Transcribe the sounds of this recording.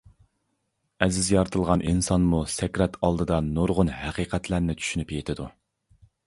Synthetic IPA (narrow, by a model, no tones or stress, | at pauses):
ɛzɪzjɑɾt̪ʰɨlˠʁɑnʔinsɑnmusɛkʲɾɛt̪ʰɑlˠd̪ɨd̪ɑnoɾʁʊnɦæqʰiqʰɛt̪læɾnɪt͡ʃʰy̥ʃynypjet̪ʰɪd̪u